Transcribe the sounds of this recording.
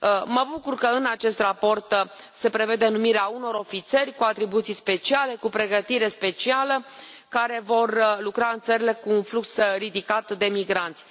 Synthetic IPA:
məbukurkəɨnat͡ʃe̞st̪rapo̞rt̪se̞pɾe̞ve̞d̪e̞numiɾeauno̞ɾo̞fit̪se̞rʲkuat̪ɾibut̪sijspe̞t͡ʃiale̞kupɾe̞ɡət̪iɾe̞spe̞t͡ʃialə | kaɾe̞vo̞rlukɾaɨnt̪səɾile̞kuːnfluksɾid̪ikat̪d̪e̞miɡɾant̪sʲ

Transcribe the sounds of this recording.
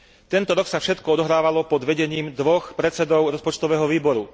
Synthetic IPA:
t̪ɛnt̪ɔɾɔksafʃɛt̪kɔɔd̪ɔɦɾaːʋalɔpɔd̪ʋɛɟɛɲiːmd̪ʋɔxpɾɛt͡sɛd̪ɔʊɾɔspɔt͡ʃt̪ɔʋɛːɦɔʋiːbɔɾu

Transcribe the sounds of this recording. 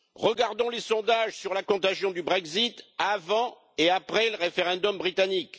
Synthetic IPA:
ʁəɡaʁd̪ɔ̃lesɔ̃d̪aʒsyʁlakɔ̃t̪aʒjɔ̃d̪ybʁɛɡzit̪avɑ̃ | eapχɛləʁefeʁɛ̃d̪ɔmbʁit̪anik

